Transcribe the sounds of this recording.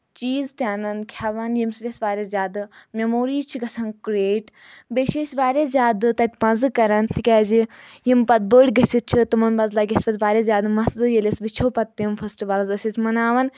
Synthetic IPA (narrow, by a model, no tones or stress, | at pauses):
t͡ʃiːzt̪ʲjaːnɐnkʲʰaʋɐnjimsid̪ʲesʋaːɾʲɐzʲjʲaːd̪ɨmʲɐmoːɾiːt͡ʃʰiɡɐsʰɐnkɾeːʈ | beʃeːsʲʋaːɾʲezjaːd̪ɨt̪ɐt̪ʲpɐ̃zɨkɐɾɐnt̪ʰikʲɛːzijimpɐt̪̚bəːɽʲɡɐsʲit̪̚t͡ʃʰit̪ɨmɐnbɐzlɐːɡʲɐsʲpɐt̪ʲʋaːɾʲɐszjaːd̪mɐszɨjelʲesʋit͡ʃʰoːpɐt̪ːimfʰɐsʈiʋalzɐsʲit͡sʲmɐnaːʋɐn